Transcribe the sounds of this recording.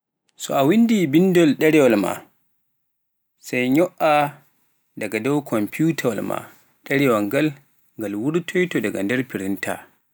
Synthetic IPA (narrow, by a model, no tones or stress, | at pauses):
sɔʔawindibindɔlɗɛɾɛwɔlma̰ | sajɲɔʔa | daɡadɔwkʰɔmputʰawlma̰ | ɗɛɾɛwaŋɡal | ŋɡalwuɾtʰɔjtɔdaɡandɛɾpiɾintʰa̰